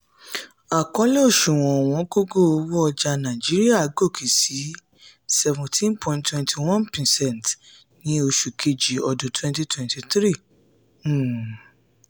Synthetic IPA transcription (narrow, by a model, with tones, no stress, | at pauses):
a˨kɔ̃˨˦lɛ˦o˦˨ʃũ˨w̃ɔ̃˨w̃ɔ̃˨˦ɡo˦ɡo˦˨o˧wɔ˦ɔ˧d͡ʒa˧nã˨d͡ʒi˨˦ɾi˦a˦˨˦ɡo˦˨kʰi˨si˨˦ | sɛ˧vũ˨tʰĩ˦npʰɔ̃˧˨ntwɛ̃˧ntʰi˨w̃ɔ̃˦npĩ˨sɛ̃˦˨nt | nĩ˦o˧ʃu˨kʰe˧d͡ʒi˨˦ɔ˧dũ˨˦twɛ̃˧nti˦twɛ̃˨nti˧tɾĩ˦˨˦